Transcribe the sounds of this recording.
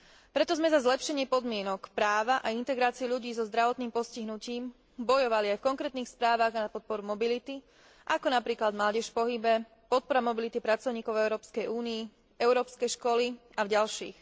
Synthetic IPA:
pɾɛt̪ɔzmɛzazlɛpʃɛɲɪɛpɔd̪mɪɛnɔkpɾaːʋaʔaint̪ɛɡɾaːt͡siuʎuɟiːzɔzd̪ɾaʋɔt̪niːmpɔsciɦnuciːm | bɔjɔʋaliajfkɔŋkɾɛːt̪̚niːxspɾaːʋaɣnapɔt̪̚pɔɾumɔbilit̪i | ʔakɔnapɾiːklad̪mlaːɟɛʃpɔɦibɛ | pɔt̪̚pɔɾamɔbilit̪ipɾat͡sɔʊɲiːkɔʊɛʊɾɔːpskɛjuːnii | ɛʊɾɔːpskɛjʃkɔliavɟalʃḭːx

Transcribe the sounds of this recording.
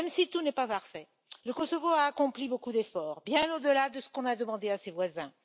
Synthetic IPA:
ɛmsit̪unɛpapaʁfɛ | ləkɔsɔvoaːkɔ̃plibokud̪efɔʁbjɛ̃nod̪əlad̪əsə̥kɔ̃nad̪əmɑ̃d̪easevwazɛ̃

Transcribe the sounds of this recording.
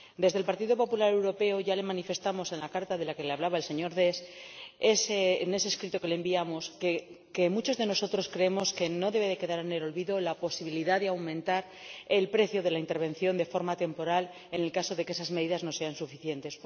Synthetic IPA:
d̪e̞zðe̞lpaɾt̪iðo̞po̞pulaɾe̞wɾo̞pe̞oʝale̞manife̞st̪amo̞se̞nlakaɾt̪aðe̞lake̞leaβlaβaelse̞ɲo̞ɾðe̞sesene̞seskɾit̪oke̞lembiamo̞s | ke̞mut͡ʃo̞zðe̞no̞so̞t̪ɾo̞skɾe̞emo̞ske̞no̞ðe̞βe̞ðe̞ke̞ðaɾene̞lo̞lβiðo̞lapo̞siβ̞iliðaðeawmẽ̞nt̪aɾ | e̞lpɾe̞θjo̞ðe̞laint̪e̞ɾβẽ̞n̟θjo̞nd̪e̞fo̞ɾmat̪e̞mpo̞ɾal | e̞ne̞lkaso̞ðe̞kee̞sazme̞ðiðazno̞se̞ansufiθje̞nt̪e̞s

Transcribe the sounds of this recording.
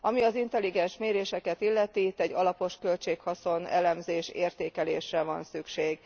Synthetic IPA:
ɒmiɒzint̪ɛlːiɡɛnʃmeːɾeːʃɛkɛt̪ilːɛt̪iːt̪ːɛɟːɒlɒpo̞ʃkølt͡ʃeːkhɒso̞nɛ̰lɛmzeːʃḛːrt̪eːkɛleːʃrɛvɒ̰nsykʃeːɡ

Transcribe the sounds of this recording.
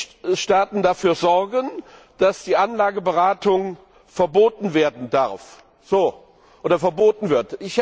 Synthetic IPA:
ʃtaːtn̩dafyːɐzɔʁɡənd̥asd̥iːʔanlaːɡəbəʁaːtʰʊŋ | fɛɐboːtn̩veːɐdn̩daɐf | z̥oː | ʔoːdɐfɛɐboːtn̩vɪɐtʔɪç

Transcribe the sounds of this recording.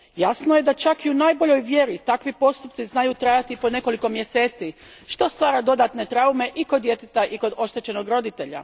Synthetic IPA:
jasnoje̞d̪at͡ʃakiunaːjbo̞ʎo̞jʋje̞ɾit̪akʋipo̞st̪up̚t̪iznajut̪ɾajat̪ipo̞ne̞ko̞liko̞mje̞se̞ːt̪si | ʃt̪o̞st̪ʋaːɾad̪o̞d̪at̪ne̞t̪ɾaume̞ʔikod̪je̞t̪et̪aʔiko̞d̪o̞ʃt̪e̞t͡ɕe̞no̞ɡɾo̞d̪it̪e̞ʎa̰

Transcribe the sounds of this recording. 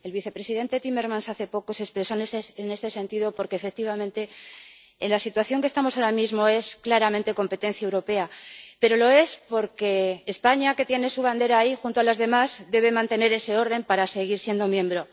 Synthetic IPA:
e̞lβiθe̞pɾe̞siðe̞nt̪et̪ime̞ɾmãnsaθe̞po̞ko̞se̞spɾe̞soneseene̞st̪e̞se̞nt̪iðo̞po̞ɾke̞ːfe̞k̚t̪iβamẽnt̪e̞ː | nlasit̪waθjo̞ŋkest̪amo̞saoɾamizmo̞e̞sklaɾamẽnt̪e̞ko̞mpe̞t̪e̞n̟θjaewɾo̞pe̞ape̞ɾo̞lo̞e̞spo̞ɾke̞ːspaɲake̞t̪je̞ne̞suβ̞and̪e̞ɾaːixunt̪oalazðe̞mazd̪e̞β̞e̞mãnt̪e̞ne̞ɾe̞se̞o̞ɾð̞e̞mpaɾase̞ɣ̞iɾsje̞nd̪o̞mjẽ̞mbɾo̞

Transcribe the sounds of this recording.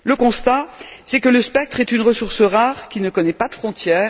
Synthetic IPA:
ləkɔ̃st̪asɛkələspɛk̚t̪χɛt̪ynʁəsuʁsəʁaʁkʲinəkɔnɛpad̪əfχɔ̃t̪jɛːʁ

